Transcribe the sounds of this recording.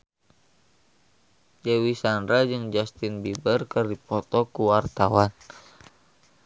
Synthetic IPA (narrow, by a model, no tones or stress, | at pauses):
d͡ʒɛwisandɾad͡ʒɨŋd͡ʒast̪inbibərkɨrdipɔt̪ɔkuwart̪awan